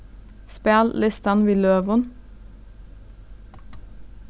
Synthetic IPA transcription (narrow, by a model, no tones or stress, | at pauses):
spæːllɪst̪ɑnʋiːløːʋʊn